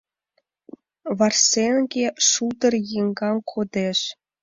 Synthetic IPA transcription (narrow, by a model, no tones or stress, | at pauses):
βɑrsenɡʲeʂud̪ɤ̆rjiŋɡɑmkʰod̪eʃ